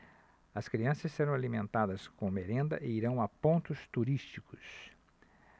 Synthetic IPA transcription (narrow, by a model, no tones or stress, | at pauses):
ɐskɾiɐ̃sɐsseɾɐ̃w̃alimẽnt̪ad̪ɐskõmeɾẽnd̪ɐ̰ʔɪiɾɐ̃w̃apõnt̪ʊst̪uɾist͡ʃikʊs